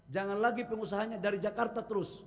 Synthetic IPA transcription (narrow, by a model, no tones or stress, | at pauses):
d͡ʒaŋanlaɡipəŋusaɦaɲadaɾid͡ʒakart̪at̪əɾʊs